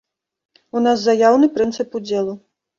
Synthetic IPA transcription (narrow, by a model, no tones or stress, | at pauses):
unaszajawnɨpɾɨnt̪sɨpud͡zʲɛlˠu